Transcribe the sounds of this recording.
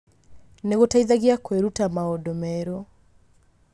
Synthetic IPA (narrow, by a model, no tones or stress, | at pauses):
neɣotaiðaɣiakweɾutamaɔdɔmɛɾɔ